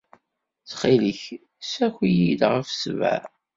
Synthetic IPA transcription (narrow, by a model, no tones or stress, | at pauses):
t͡sχiləç | sæçʷijid̪ʁəfsvæ̰